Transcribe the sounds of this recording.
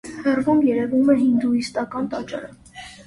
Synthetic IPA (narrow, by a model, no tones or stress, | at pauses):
hɛrvumjɛɾɛvumɛɦind̪uist̪ɑkɑnt̪ɑt͡ʃɑ̰ɾə